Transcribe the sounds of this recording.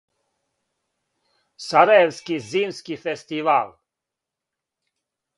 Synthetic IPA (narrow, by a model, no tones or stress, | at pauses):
saɾajɛwskiziːmskifɛst̪iʋaːl